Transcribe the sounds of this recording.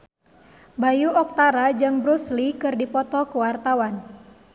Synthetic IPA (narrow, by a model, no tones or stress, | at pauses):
bajuʔɔk̚t̪aɾad͡ʒɨŋbɾuslikɨrdipɔt̪ɔkuwart̪awan